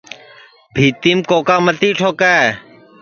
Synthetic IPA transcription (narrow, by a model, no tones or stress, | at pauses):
bʱiːt̪iːmkoːkaːmət̪iːʈʰoːkaː